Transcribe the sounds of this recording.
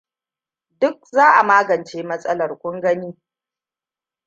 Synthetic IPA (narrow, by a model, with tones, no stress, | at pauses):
dʊ˦k̚zaː˦ʔa˨maː˦ɡɐ˨nt͡ʃeː˦mɐ˦sʼɐ˦lɐ˨rkʷʊ˦ŋɡɐ˦niː˦